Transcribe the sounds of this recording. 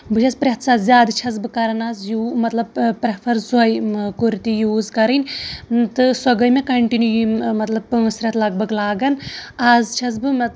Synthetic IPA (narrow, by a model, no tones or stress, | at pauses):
bɨʃʰɐspɾʲet̪ʰsazʲjaːd̪t͡ʃʰɐz̬bɨkɐɾɐnaːzjumɐt̪lɐbpɾepʰɐɾzuɐjkuɾt̪ijuːzkɐɾɐnʲt̪ɨsɐɡɐjmẽkɐɳʈinujimɐt̪lɐb̚ɨsɾʲɐt̪lɐɡ̚bɐɡlaːɡɐnaːzt͡ʃʰɐz̬bɨmɐ